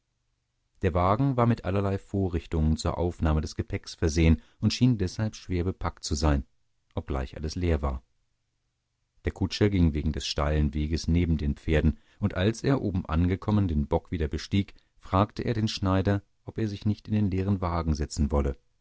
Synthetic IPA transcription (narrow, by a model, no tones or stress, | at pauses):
d̥eːɐvaːɡŋ̩vaːɐmɪtʔa̰lɐlaɪfoːɐʁɪçtʊŋənt͡suːɐʔa̰ʊfnaːmədɛsɡ̥əpʰɛksfɛɐzeːənʔʊntʃiːndɛshalpʃv̥eːɐbəpʰak̚tt͡suzaɪn | ʔɔp̚ɡ̥la̰ɪçʔa̰ləsleːɐva̰ːɐ | d̥eːɐkʰʊt͡ʃɐɡɪŋveːɡŋ̩dɛsʃta̰ɪlənveːɡəsneːbm̩deːnp͡feːɐdn̩ | ʔʊntʔalsʔeːɐʔoːbm̩ʔa̰nɡəkʰɔməndeːnbɔkv̥iːdɐbəʃtiːk | fʁ̥aːktəʔeːɐdeːnʃnaɪdɐ | ʔɔpeːɐzɪçnɪçtɪndeːnleːʁ̞ənvaːɡŋ̩zɛt͡sn̩vɔlə